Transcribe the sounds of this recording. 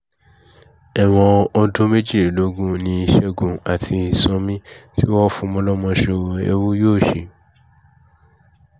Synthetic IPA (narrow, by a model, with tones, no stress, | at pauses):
ɛ˨w̃ɔ̃˧ɔ˧dõ˦me˦d͡ʒi˦˨ɾi˨lo˨˦ɡũ˦nĩ˧i˧ʃɛ˦˨ɡũ˧a˨tʰi˧i˧sɔ̃˧mĩ˦ti˦wɔ˦fũ˧mɔ̃˧lɔ˦mɔ̃˧ʃe˧ḛ˧wu˦joː˦˨ʃe˨˧˨